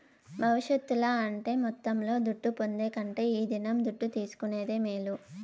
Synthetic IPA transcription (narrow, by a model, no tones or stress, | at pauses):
bʱɐʋiʂjɐt̪ːulaːɐɳʈe̞ːmɔt̪ːɐmlo̞ːd̪uʈːupo̞nd̪e̞ːkɐɳʈe̞ːiːd̪inɐmd̪uʈːut̪iːsu̥kune̞ːd̪e̞ːmiːlu